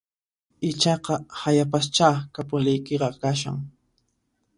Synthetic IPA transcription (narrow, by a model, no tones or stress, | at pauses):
ɪt͡ʃɑqɑhajapast͡ʃaːkapʊlɪjkeɾɑkaʃ̬a̰ŋ